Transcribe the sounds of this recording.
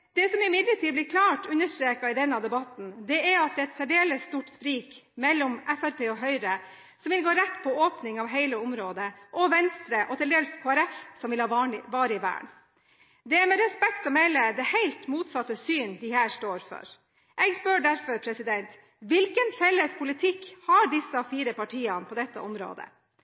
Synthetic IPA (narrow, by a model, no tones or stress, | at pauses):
d̪̥ɛsɔmɪmɪd̪ləʈʰiːd̪̚blɪɾkʰlɑːʈʉnːəʂʈɾeːkɑɪd̪ɛnːɑd̪ɛbɑt̪n̩d̪ɛæɾɑt̪̚d̪ɛːɛt̪sæɖeːləsːt̪uːʈspɾiːkmɛlːɔmæfæɾpʰeːɔɦœʏɾə | sɔmʋɪlɡoːɾɛt̪ːpʰɔoːpnɪŋɑʋɦæɪləʊmɾoːd̪əʔɔʋɛnst̪ɾəʔɔt̪ʰɪld̪eːlskʰoːæɾɛfsɔmʋɪlhɑɑʋɑːɾəɪʋæ̰ːɳ | d̪ɛæɾmɛɾɛspɛkt̪ɔmæɪləd̪ɛhæɪlt̪muːt̪sɑt̪ːəsyːnd̪ɪhæːɾʂʈoːɾfɔ̰ɾ | ʔɛɡspøːɖæɾfɔɾpʰɾɛsɪd̪ɛnt̪ | ʋɪlkənfɛlːəspʰʊlɪt̪ʰɪkhɑɖɪsːɑfiːɾəpɑʈʰiːɑnpʰɔd̪ɛt̪ːə̰ʔɔmɾo̰ːd̪ə̰